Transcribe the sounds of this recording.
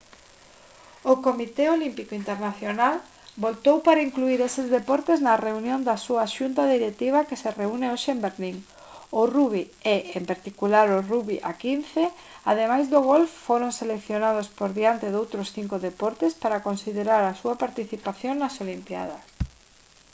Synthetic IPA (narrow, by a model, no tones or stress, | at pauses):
okomit̪eolimpikoint̪eɾnaθjonal | bolt̪owpaɾaiŋkluiɾesɪzðepɔɾt̪eznɐreunjõnd̪asuaʃunt̪aðiɾek̚t̪iβ̞akesereuneoʃeembeɾliŋ | ʊruβ̞i | eʔempaɾt̪ikulaɾʊruβiʔa̰kinθe | að̞emajzðoɣ̞olfːoɾoŋselekθjonað̞ospoɾðiant̪eðowt̪ɾosθiŋkʊðepɔɾt̪espaɾakonsiðeɾaɾɐsuɐpaɾt̪iθipaθjoŋnɐsolimpja̰ð̞ɐs